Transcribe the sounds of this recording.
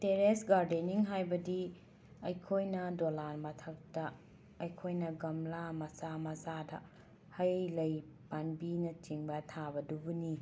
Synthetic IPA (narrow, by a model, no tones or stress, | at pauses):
teɾesɡaɾdeniŋɦajbɐdi | ɐjkʰojnɐdolaɾmɐtʰɐk̚tɐː | jkʰojnɐɡɐmlamɐsamɐzadɐ̰ | hɐjlɐjpanbinɐt͡ʃiŋbɐtʰabɐdubuni